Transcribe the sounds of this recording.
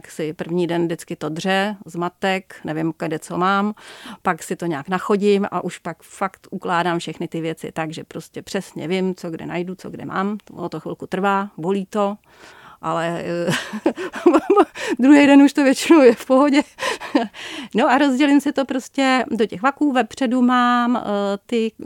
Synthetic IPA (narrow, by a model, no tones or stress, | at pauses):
ksɪpr̩vɲiːdɛndɪt͡skɪt̪odr̝ɛzmat̪ɛknɛvɪmkadɛt͡somaːmpaksɪt̪oɲaːknaxo̞ɟɪmʔa̰ʔuʃpakfakt̪ʔuklaːdaːmfʃɛxnɪt̪ɪvjɛt͡sɪ̰t̪aɡʒɛpɾo̞scɛpr̝̥ɛsɲɛ̰vɪmt͡soɡdɛ̰najdut͡soɡdɛ̰mʔa̰ːmʔot̪oxvɪlkut̪r̩vaːboliːt̪o̞ | ʔalɛ | d̪ɾuɦɛjdɛnuʃt̪ovjɛt͡ʃɪnowjɛfpoɦoɟɛ | no̞ʔaɾozɟɛlɪmsɪt̪o̞pɾoscɛdocɛɣvakuːvɛpr̝̥ɛdumaːmt̪ɪ